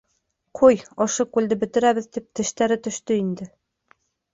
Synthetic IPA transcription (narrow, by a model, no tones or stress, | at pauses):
qʰujɤ̆ʃɤkʉld̪ɘbɵ̆t̪ɘ̆ɾæβɘ̆ðt̪ip̚t̪ɘ̆ʃt̪æɾɘt̪ɵ̆ʃt̪ɵind̪ɘ